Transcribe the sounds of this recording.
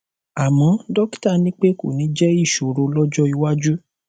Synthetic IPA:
a˨mɔ̃˨˦dɔ˦kta˦˨nĩ˦k͡pe˦ko̰˦˨nĩ˨˦d͡ʒɛ˦i˦˨ʃo˨ɾo˧lɔ˦d͡ʒɔ˦i˧wa˦d͡ʒu˦

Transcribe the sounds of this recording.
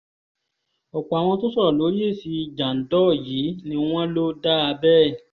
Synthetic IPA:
ɔ˨k͡pɔ˨a˨w̃ɔ̃˧to˦sɔ˦ɔ˨lo˨˦je˦˨si˨˧d͡ʒa˨n̩˨dɔ˦˨jiː˨˦nĩ˦w̃ɔ̃˦lo˦da˦a˧bɛ˦˨

